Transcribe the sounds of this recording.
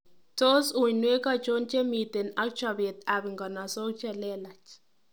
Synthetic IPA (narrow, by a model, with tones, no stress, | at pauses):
to˦su˨ɲnwe˦ka˦t͡ʃo˦nt͡ʃe˦mi˨t̪e˨na˦k̚t͡ʃa˨be˨t̪a˨bi˨ŋɡɔ˨na˨so˦t͡ʃɛ˦lɛ˦la˨t͡ʃ